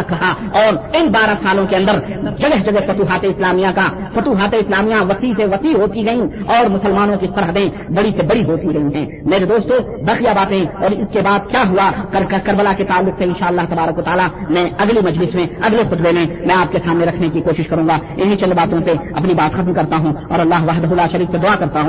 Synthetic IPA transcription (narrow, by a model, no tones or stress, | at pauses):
kɐɦa | ɔːɾɪnbaːɾasaːlõkeɐ̃nd̪əɾd͡ʒɐɡəɦd͡ʒɐɡəɦfɐt̪uːɦaːt̪eɪslaːmijakafɐt̪uːɦaːt̪eɪslaːmijãʋɐsiseʋɐsiɦoːt̪iɡɐĩɔːɾmʊsəlmaːnõkisɐɾɦəd̪ẽ | bɐɽisebɐɽiɦoːt̪iɡɐĩɦɛ̰̃ː | meːɾed̪oːst̪õ | baːqijabaːt̪ẽɔːɾɪskebaːd̪̚kjaɦuakɐɾkɐɾbəlaket̪aːlːʊkseɪ̃nʃaːəlːaːɦt̪ɐbaːɾəkʋɐt̪aːlamɛ̃ɐɡlimɐd͡ʒlɪsmẽɐɡlexʊt̪bemẽmɛ̃aːp̚kesaːmneɾɐkʰnekikoːʃɪʃkɐɾũːɡaɪnɦĩt͡ʃɐ̃nd̪baːt̪õseɐ̰pnibaːt̪xɐt̪mkɐɾt̪aɦũɔ̰ːɾɐlːaːɦʋaɦd̪ɦʊlaːʃɐɾiːksed̪ʊaːkɐɾt̪aɦũː